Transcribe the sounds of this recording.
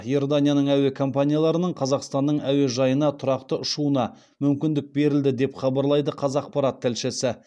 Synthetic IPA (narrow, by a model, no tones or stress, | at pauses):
jord̪anʲijanəɴæwe̞kʰo̞mpanʲijalˠɑɾənəɴqʰɑzɑqst̪ɑnːəɴæwe̞ʒɑjənɑt̪ʰʊɾɑqt̪əʔʊʃuənɑ | mʏmkʲɪnd̪ɪk̚be̞ɾɪld̪ɪd̪e̞pχɑbɑɾlˠɑjd̪əqʰɑzɑq̚pɑɾat̪ʰːɪlʃɪsɪ